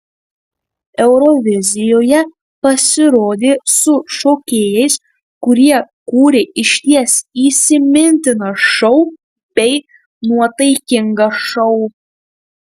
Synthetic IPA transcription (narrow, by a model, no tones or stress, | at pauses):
ɛʊɾɔʋʲɪzʲɪjoːjɛ | pɐsʲɪɾoːd̪ʲeːsʊʃoːkʲeːjɛɪs | kʊɾʲiɛ | kuːɾʲɪʔɪʃʲt̪ʲiɛsiːsʲɪmʲɪnʲt̪ʲɪnɐʃɔʊ | bʲɛɪ | nuɔt̪ɐɪkʲɪŋɡɐʃɔʊ